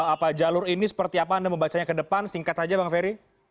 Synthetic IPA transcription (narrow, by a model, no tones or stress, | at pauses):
apad͡ʒalʊrinisə̥pərt̪iapaːndaməmbat͡ʃaɲakədəpansiŋkat̪sad͡ʒabaŋfeɾi